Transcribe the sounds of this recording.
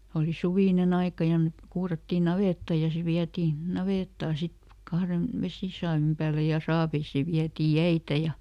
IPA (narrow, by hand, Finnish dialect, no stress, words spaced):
oli suʋiˑnen ɑikɑ jɑ mek kuːrɑtːiː nɑʋeˑtːɑ jɑ se ʋiætiː nɑʋeˑtːɑː sit kɑhren ʋesiˑsɑːʋim pæːle jɑ sɑːʋeisiː ʋiætiː jæitæ jɑ